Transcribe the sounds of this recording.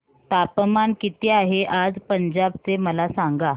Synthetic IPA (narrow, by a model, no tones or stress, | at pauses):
t̪apmankit̪eaɦeʔad͡zpəɲd͡ʑabt͡seməlasaŋɡa